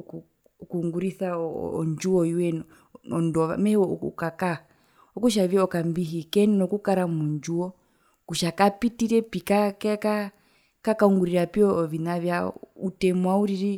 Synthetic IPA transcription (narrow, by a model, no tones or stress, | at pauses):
kː | kuŋɡuɾiθa̰ɔ̰ɲd͡ʒuɔiwɛn | ɔndɔβa̰mɛhɛɔṵkaka | ɔkuʃ̬aviɔɔkambiɦikɛnnɔkukaɾamuɲd͡ʒuɔ | kuʃakapitiɾɛpikakɛka | kakauŋɡuɾiɾapiɔvinavjautɛmwauɾiɾi